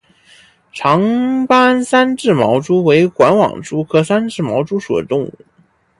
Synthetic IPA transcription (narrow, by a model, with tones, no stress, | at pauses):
ʈ͡ʂʰɑ˧˥ŋpa˥nsa˥nʈ͡ʂɻ̩˥˩mɑ˧˥ʊʈ͡ʂu˥we˧˥ɪkwa˧˥nwɑ̰˨˩ŋʈ͡ʂu˥kʰɤ˥sa˥nʈ͡ʂɻ̩˥˩mɑ˧˥ʊʈ͡ʂu˥ʂṵ˨˩d̪ə̰˦t̪ʊ˥˧ŋuu˥˩